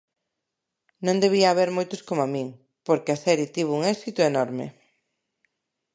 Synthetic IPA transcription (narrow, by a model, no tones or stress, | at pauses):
nõŋd̪eβ̞iaːβeɾmojt̪ʊskomamĩŋ | poɾkeaθɛɾit̪iβ̞ouŋɛsit̪ʊenɔɾmḛ